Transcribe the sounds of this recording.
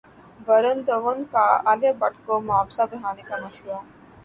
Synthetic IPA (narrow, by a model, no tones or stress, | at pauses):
bəɾənd̪əʋənkaaljabɐʈkomʊaːfsabɐɦaːnekamɐʃɾua